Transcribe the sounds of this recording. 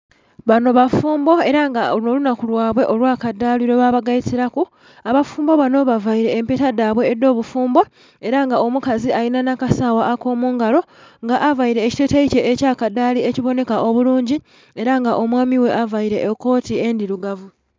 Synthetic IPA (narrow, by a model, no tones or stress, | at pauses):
βano̞βafuːmbo̞e̞ɾaŋɡaolunolunakulwaːβwe̞ʔo̞lwaːkadːaːliɾeβaβaɡajitiɾaku | aβafuːmbo̞βano̞βavaiɾe̞ːmpetadaːβwe̞ːdːo̞ːβufuːmbo̞ | e̞ɾaŋɡao̞mukaziajinanakasaːwaːko̞ːmuːŋɡalo̞ŋɡaʔavaiɾe̞ːci̥te̞teice̞ecaːkadːaːlieciβo̞ne̞kaʔo̞βuluːɲɟi | e̞ɾaŋɡaʔo̞mwaːmiwe̞ʔavaiɾe̞ʔːkːo̞ːtie̞ndiɾuɡavu